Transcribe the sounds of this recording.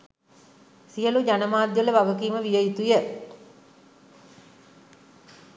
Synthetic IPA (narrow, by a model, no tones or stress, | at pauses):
sijəlud͡ʒanəmaːd̪jələʋaʋəkiːməʋijəjit̪ujə